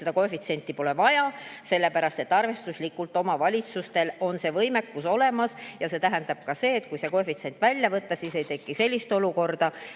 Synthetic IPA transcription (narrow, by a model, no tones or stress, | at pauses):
se̞d̪̥ɑko̞efit̪se̞nt̪ːˑipo̞le̞vɑjɑse̞lːe̞pæɾɑst̪e̞t̪ːɑrve̞st̪uslikːˑult̪ˑo̞mɑvɑlʲit̪sust̪e̞lo̞nse̞vɤjme̞kːuso̞le̞mɑsjɑse̞t̪æɦɛnd̪ɑb̥̚kɑse̞ːt̪̚ːkujse̞ko̞fit̪se̞nt̪ːˑvælʲjɑvɤt̪ːɑsiːse̞jt̪e̞kːise̞lʲːist̪o̞luko̞rd̪̥ɑ